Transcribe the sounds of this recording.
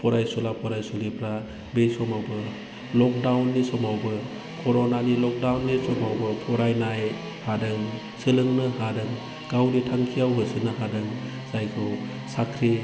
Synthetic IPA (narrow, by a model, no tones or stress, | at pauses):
pʰɔɾajsulapʰɔɾajsulipʰɾa | bejsɔmawbɯ | lɔk̚dawnːisɔmawbɯ | kʰɔɾonanilɔk̚dawnːisɔmawbɯpʰɔɾajnaj | hadɯŋ | sɯlɯŋnɯhadɯŋ | ɡ̥awditʰaŋkʰijawɦɯsɯnɯɦadɯŋ | z̥ajkʰɯw | sakʰɾe